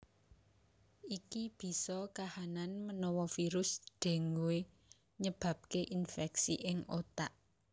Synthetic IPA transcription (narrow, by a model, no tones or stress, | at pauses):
ikib̥i̤sɔkahananmənɔwɔfiɾʊsd̪̥e̤ŋɡuwe | ɲəb̥ä̤p̚keʔinfɛksiʔɪŋot̪aʔ